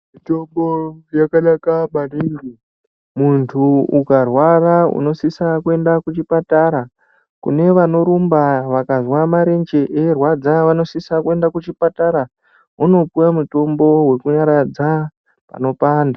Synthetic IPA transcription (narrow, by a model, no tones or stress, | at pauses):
mitombojakaɗakaɓaniːŋɡi | muntʰuukarwaraṵno̞sisakue̞ndakut͡ʃipataɾa | kṵne̞ʋano̞ɾumbaʋakazwamaɾe̞nd͡ʒe̞ʔerwad͡zaʋano̞sisakue̞ndakut͡ʃipataɾa | uno̞pujamuto̞mbo̞we̞kuɲaɾad͡za | pa̰no̞paːnda